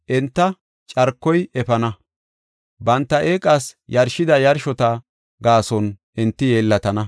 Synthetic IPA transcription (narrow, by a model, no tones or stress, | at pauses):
ʔɛnt̪ːɐ | t͡ʃʼɐɾkːɔjɛfɐnɐ | bɐnt̪ːɐʔeːkʼasjɐɾʃɪd̪ɐjɐɾʃɔt̪ɐ | ɡaːsɔnʔɪnt̪ːɪjeːlːɐt̪ɐnɐ